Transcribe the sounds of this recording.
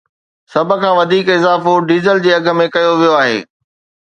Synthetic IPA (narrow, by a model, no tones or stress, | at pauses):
sɐbʱə̆kʰãːʋɐd̪ʱiːkɪzaːfoɖiːzəld͡ʑeːɐɡʱə̆mẽkɐjoʋijoaːɦḛː